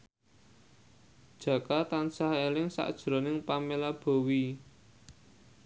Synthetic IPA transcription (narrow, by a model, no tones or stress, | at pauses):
d̥ʒ̥ä̤kat̪ansahelɪŋsa̰ʔd̥ʒ̥ɾo̤nɪŋpamelab̥o̤wi